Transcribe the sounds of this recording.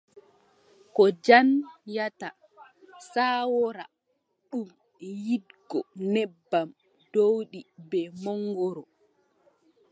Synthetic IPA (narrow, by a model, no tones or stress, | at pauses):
kɔd͡ʒanjata | saːwɔɾa | ɗum | jidɡɔnɛbːam | dowɗibɛmɔŋɡɔɾɔ